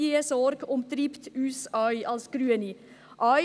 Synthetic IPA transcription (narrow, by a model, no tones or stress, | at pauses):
iəsɔɾɡ̥ʊmt̪ɾipt̪yːsœʏʔɑlsɡ̥ɾyːəni | ʔœʏ